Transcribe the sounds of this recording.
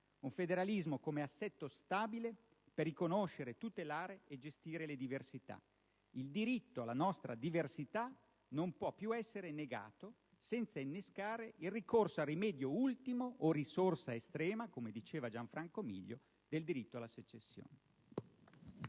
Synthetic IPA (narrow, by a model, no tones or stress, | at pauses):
uɱfed̪eɾalizmokomeasːɛt̪ːost̪aːbile | perːikonoʃeɾet̪ut̪elaːɾeed͡ʒest̪iːɾeled̪iversit̪a̰ | ild̪iɾit̪ːoalːanɔst̪ɾa̰d̪iversit̪a | nompwɔpːjuɛsːeɾeneɡa̰ːt̪o | sɛnt̪sainːeskaːɾeilrikorsoarːimɛːd̪joult̪imoʔːrisorsaest̪ɾɛːmakomed̪it͡ʃeːvad͡ʒaɱfɾaŋkomḭʎːo̰ | d̪eld̪iɾit̪ːoalːaset͡ʃːesːjo̰ːne